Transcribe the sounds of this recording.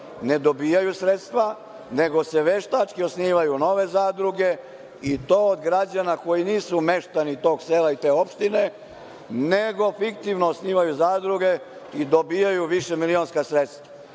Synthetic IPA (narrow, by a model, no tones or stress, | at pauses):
ne̞d̪obijajusɾet̪st̪ʋa | ne̞ɡo̞seʋeʃt̪at͡ʂkiosniːʋajuno̞ʋe̞zaːd̪ɾuɡe̞ | it̪o̞ːod̪ɡɾad͡ʑanako̞jiniːsume̞ʃt̪anit̪o̞ːɡseːlait̪e̞ːo̞pʃt̪ine | neɡo̞fikt̪iʋnoosniːʋajuzaːd̪ɾuɡe̞ | id̪obijajuʋiʃe̞milionskasɾet̪st̪ʋa